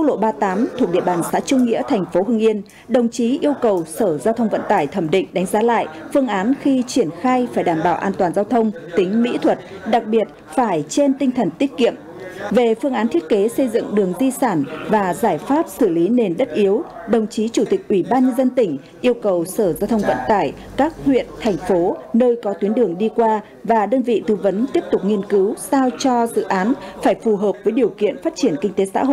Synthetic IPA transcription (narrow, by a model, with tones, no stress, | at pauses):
a˦˥k̚lo̰˧˨ɓaː˧t̪aː˨˦mt̪ʰu˨˩ək̚ɗḭ˧˨əɓaː˨˩nsa̰ː˧˥t͡ɕʊ˧ŋ͡mŋḭ˧˥ət̪ʰɛ˨˩jŋ̟fo˨˦ɦɨ˧əŋʔi˧ən | ɗə˨˩wŋ͡mt͡ɕi˨˦ʔi˧əwkə˨˩wsəː˧˩zaː˧wt̪ʰə˧wŋ͡mvə̰˧˨nt̪aː˧˩jt̪ʰə˧˩mɗḭ̈˧˨ŋ̟ɗa˨˦jŋ̟zaː˨˦la̰ː˧˨jfɨ˧əŋʔaː˨˦nxi˧t͡ɕwi˧˩ənxaː˧jfaː˧˩jɗaː˧˩mɓaː˧˩wʔaː˧nt̪waː˨˩nzaː˧wt̪ʰə˧wŋ͡mt̪ï˨˦ŋ̟mḭ˧˥t̪ʰwə˨˩t̚ | ɗa˨˩k̚ɓi˨˩ət̚ | faː˧˩jt͡ɕe˧nt̪ï˧ŋ̟t̪ʰə˨˩nt̪i˦˥t̚kḭ˧˨əm | ve˨˩fɨ˧əŋʔaː˨˦t̪ʰi˦˥ət̚ke˨˦sə˧jzɨ̰˧˨ŋɗɨ˨˩əŋt̪i˧saː˧˩nvaː˨˩zaː˧˩jfaː˦˥p̚sɨ˧˩li˨˦ne˨˩nɗə˦˥t̚ʔi˨˦əwɗə˨˩wŋ͡mt͡ɕi˨˦t͡ɕu˧˩t̪ï˨˩k̚ʔwi˧˩ɓaː˧nɲə˧nzə˧nt̪ï˧˩ŋ̟ | ʔi˧əwkə˨˩wsəː˧˩zaː˧wt̪ʰə˧wŋ͡mvə̰˧˨nt̪aː˧˩j | kaː˦˥k̚hwḭ˧˨ənt̪ʰɛ˨˩jŋ̟fo˨˦nəː˧jkɔ˨˦t̪wi˨˦ənɗɨ˨˩əŋɗi˧kwaː˧ | vaː˨˩ɗəː˧nvḭ˧˨t̪ɨ˧və˨˦nt̪i˦˥əp̚t̪ʊ˨˩k͡p̚ŋi˧ənkɨ˨˦wsaː˧wt͡ɕɔ˧zɨ̰˧˨ʔaː˨˦nfaː˧˩jfu˨˩ɦəː˨˩p̚vəː˨˦jɗi˨˩əwkḭ˧˨ənfaː˦˥t̚t͡ɕi˧˩ənkï˧ŋ̟t̪e˨˦sa̰ː˧˥ɦo̰˧˨